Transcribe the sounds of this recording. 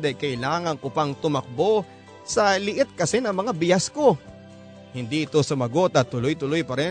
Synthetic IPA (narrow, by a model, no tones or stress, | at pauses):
d̪ɐjkɐʔɪlaːŋɐŋkʊpɐŋt̪ʊmɐk̚bo̞ | sɐlɪʔɪt̪̚kɐsɛnɐŋmɐŋabɪjasko̞ | hɪnd̪iʔɪt̪o̞sʊmɐɡot̪ɐt̪ːʊlojt̪ʊlojpɐɾɛ